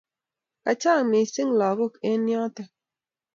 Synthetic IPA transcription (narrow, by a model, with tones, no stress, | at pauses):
ka˨t͡ʃa˦˨mi˨si˦ŋlɔ˨ɣo˦˨ke˦njɔ˦tɛ˦